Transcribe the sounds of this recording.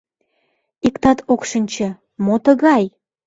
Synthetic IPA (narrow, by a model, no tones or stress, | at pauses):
ikt̪ɑt̪okʃənʲt͡ɕə̆ | mot̪əɣɑj